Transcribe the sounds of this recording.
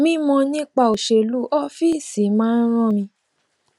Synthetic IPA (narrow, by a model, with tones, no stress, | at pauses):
mĩ˦mɔ̃˧nĩ˦k͡pa˦˧˨o˨ʃe˧˨lu˦ʔɔ˦fi˦˨si˨˦mãː˦n̩˦ɾ̃ɔ̃˦mĩ˧